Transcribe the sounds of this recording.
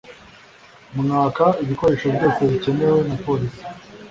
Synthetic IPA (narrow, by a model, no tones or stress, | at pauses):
mmŋaːkaiβiko̞ɾe̞ʃobɟo̞ːse̞βice̞ne̞we̞napo̞ːɾisi̥